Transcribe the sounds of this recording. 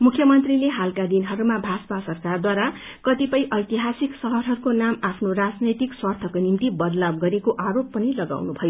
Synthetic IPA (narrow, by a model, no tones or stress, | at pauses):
mukʰːjʌmʌnt̪rileɦalkad̪inɦʌɾumabʱaspasʌrkard̪waɾa | kʌt̪ipʌjʔʌjt̪iɦasiksʌɦʌɾɦʌɾukonamapʰnorad͡znʌjt̪ikswʌrt̪ʰʌkonimt̪ibʌd̪lab̚ɡʌɾekoʔaɾopːʌnilʌɡa̰wnubʱʌjo